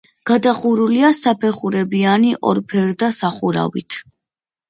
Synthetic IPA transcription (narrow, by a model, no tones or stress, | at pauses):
ɡ̥ad̪aχuɾuliasapʰɛχuɾɛbianiʔɔ̰ɾpʰɛɾd̪asaχuɾa̰vḭt̪ʰ